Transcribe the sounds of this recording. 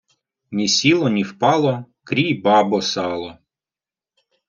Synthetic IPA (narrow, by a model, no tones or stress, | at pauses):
nʲisʲilˠɔnʲiwpɑlˠɔ | kɾʲijbɑbɔsɑlˠɔ